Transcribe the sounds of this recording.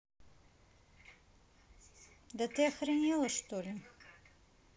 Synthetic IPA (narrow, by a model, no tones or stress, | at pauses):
d̪ɐt̪ɨɐxɾɐnʲɛlˠɐʂt̪olʲɪ